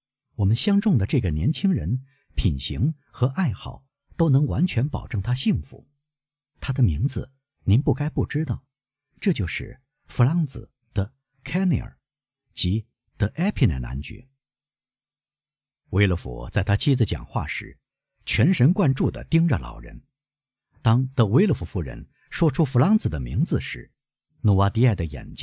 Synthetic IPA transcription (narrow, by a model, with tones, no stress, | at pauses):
wɔ˨˩mə˦nɕjɑ˥ŋʈ͡ʂʊ˥˩ŋd̪ə˩ʈ͡ʂɤ˥˩ɡə˩njɛ˧˥nt͡ɕʰi˥ŋɻə˧˥n | pʰi˨˩nɕi˧˥ŋ | xɤ˧˥ʔa˥˧ɪxɑ˥˩ʊ | t̪o˥ʊnɤ˧˥ŋwa˧˥nt͡ɕʰɥɛ˧˥npɑ˨˩ʊʈ͡ʂɤ˥˩ŋt̪ʰa˥ɕi˥˩ŋfṵ˧˥˦ | t̪ʰa˥d̪ə˨mi˧˥ŋd͡zɹ̩˧ | ni˧˥npu˥˩ka˥ɪpu˥˩ʈ͡ʂɻ̩˥t̪ɑ˥˩ʊ | ʈ͡ʂɤ˥˧t͡ɕjo˥˧ʊʂɻ̩˥˩ | fu˧˥lɑ˧˥ŋt͡sɹ̩̰˨˩ | d̪̥ə˧ | kʰɛ˥nḭ˧˨˩ə̰˞˨˩ | t͡ɕi˧˥ | d̪̥ə˧ʔɛ˥pʰi˥nɛ̰˨˩na̰˧˥nt͡ɕy̰˧˥ | we˥ɪlə˧˩fṵ˨˩t͡sa˥˩ɪt̪ʰa˥t͡ɕʰi˥d͡zɹ̩˧t͡ɕjɑ̰˨˩ŋxwa̰˥˩ʂɻ̩˧˥ | t͡ɕʰɥɛ˧˥nʂə˧˥nkwa˥˧nʈ͡ʂu˥˩d̪ə̰˩t̪i˥ŋʈ͡ʂə̰˨lɑ̰˨˩ʊɻə̰˧˥n | t̪ɑ˥ŋt̪ə˧we˥ɪlə˧˩fu˧˩fu˥˩ɻə̰˧˥n | ʂwɔ˥ʈ͡ʂʰu˥fu˧˥lɑ˧˥ŋt͡sɹ̩˨˩d̪ə˦mḭ˧˥ŋd͡zɹ̩˧ʂɻ̩˧˥ | nu˨˩wa˧˥t̪i˧˥a˥˩ɪd̪ə˩jɛ̰˨˩nt͡ɕi˥